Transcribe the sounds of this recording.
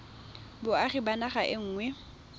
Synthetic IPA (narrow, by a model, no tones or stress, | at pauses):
bʊaχibanaχaʔɪŋ̩ːŋwɛ